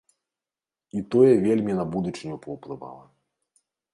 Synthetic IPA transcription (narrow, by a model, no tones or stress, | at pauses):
it̪ɔjɛvʲelʲmʲinabud̪ut͡ʂɨnʲupɐwplˠɨva̰lˠɐ